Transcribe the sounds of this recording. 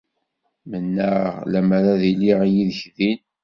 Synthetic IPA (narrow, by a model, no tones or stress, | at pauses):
mənːəʁlæmaɾaðiliʁjiðəçðin